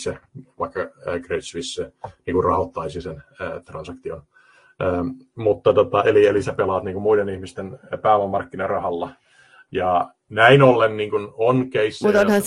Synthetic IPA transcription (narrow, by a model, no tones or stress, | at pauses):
seʋɑikːɑkreit̪sʋisːeniːŋkurrɑhot̪ːɑisisenːt̪rɑnsɑkt̪ion | ʔəːmut̪ːɑt̪ot̪ɑʔelielisæpelɑt̪niːŋkummuidenihmist̪enpæːʋæmɑrkːinɑrɑhɑlːɑ | jɑ | næinolːenniːŋkunonkeisːmut̪ohɑn